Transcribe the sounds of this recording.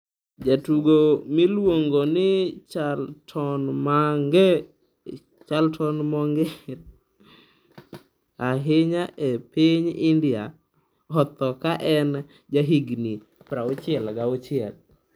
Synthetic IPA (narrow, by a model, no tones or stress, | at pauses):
d͡ʒatuɡomilwoŋɡonɪt͡ʃaltʰɔnmaŋɡɛ | t͡ʃaltʰɔnmɔŋɡɛ | aɦɪɲaʔepiɲɪndɪa | ɔt̪ɔkaʔɛn | d͡ʒaɦiɡni | pɾaot͡ʃɪɛlɡaot͡ʃɪɛl